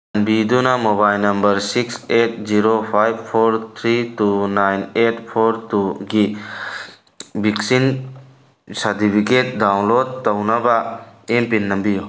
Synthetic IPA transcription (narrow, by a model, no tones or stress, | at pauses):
nbid̪unamobaːjlnɐmbəɾsikseːʈ̚ziɾopʰaːjʋfʰoːɾt̪ʰɾit̪unajneːʈpʰoːɾt̪uɡi | biksin | sɐd̪ibiket̪̚d̪aːwnloːd̪̚t̪ɐwnɐbaempinːɐmbijo